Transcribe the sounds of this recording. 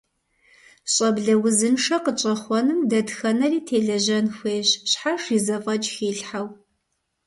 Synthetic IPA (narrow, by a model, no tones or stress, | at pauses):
ɕʼɐbɮɐwʊzɨnʂɐqət͡ʃʼɐχʷɔnɨmdɐdxɐnɐriːtʰeːɮɐʑɐnxʷeːɕɕħaʂiːzɐfʼɐt͡ʃʼxiːɬħaw